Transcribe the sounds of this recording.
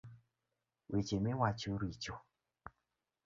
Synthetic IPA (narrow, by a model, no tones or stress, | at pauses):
wʔet͡ʃemewat͡ʃoɾit͡ʃo